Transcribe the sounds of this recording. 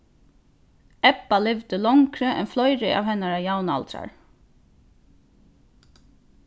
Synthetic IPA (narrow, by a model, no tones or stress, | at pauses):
ɛpalɪʋd̪əlɔŋkɾəʔɛ̰nflɔʏɾɪʔɑ̰ːʋhɛnaɹajawnɑ̰lt̪ɾa̰ɹ